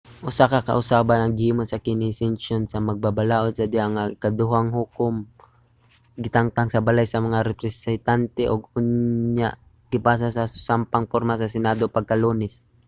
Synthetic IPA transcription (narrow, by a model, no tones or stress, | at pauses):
ʔʊsakɐkɐ̰ʔʊsaːbanɐŋɡɪhiːmonsɐkɪnɪsɪnʃonsɐmɐɡ̚babalaːʔod̪̚sɐd̪ɪaŋakɐd̪ʊɦaŋɦuːkʊm | ɡɪt̪aŋt̪aŋsɐbalajsɐmɐŋaɾɛpɾɛsɛnt̪ant̪ɛʔoɡʊnɲa̰ʔ | ɡ̥ɪpaːs̬asɐsampaŋpoɾmas̬ɐsɪnad̪opɐɡ̚kɐluːnɛs